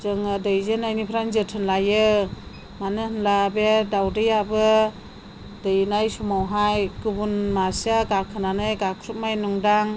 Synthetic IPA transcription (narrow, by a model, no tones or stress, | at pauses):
zɯŋɯdɯjzɯnajnipʰɾanzɯtʰɯnlajɯ | manɯhɯnlabedawdɯjabɯ | dɯjnajsumawɦajkɯbunmasaɡakʰɯnanɯjɡakʰɾup̚majnuŋdaŋ